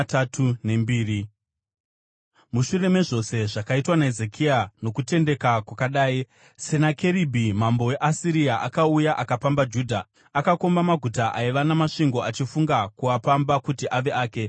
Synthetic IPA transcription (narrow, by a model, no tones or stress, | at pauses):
tatʰune̞mbiːri | muʃure̞me̞ʐo̞se̞ʐakaitwanaezekʰiano̞kute̞nde̞kakwakaɗaːi | senake̞ɾibʱimambo̞we̞ʔasiɾiaʔa̰kaujaʔakapambad͡ʒuːdʱa | akako̞mbamaɡʱutaʔaiʋanamaʂiŋɡo̞at͡ʃifuŋɡakuapambakutiʔaʋe̞ʔaːke̞